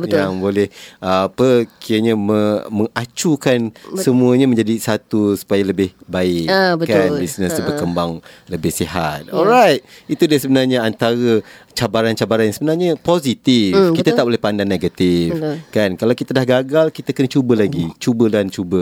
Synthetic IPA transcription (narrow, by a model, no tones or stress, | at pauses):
bəjaŋbolɛhapəkiəɲaməməŋat͡ʃukansəmũəɲamə̃ɲd͡ʒadisat̪usu̥pajaləbɪhbaɪkbətanbisnəsubəkəmbaŋləbɪhsiɦa̰t̪̚ɔlɾajt̪̚it̪udasəbənarɲaant̪aɾət͡ʃabaɾant͡ʃabaɾanjaŋsəbənarɲapozit̪ikkit̪at̪aʔpolɛhpandanːeɡat̪ifkankalawkit̪adahɡaɡalkit̪akənət͡ʃubəlaɡit͡ʃubəlant͡ʃubə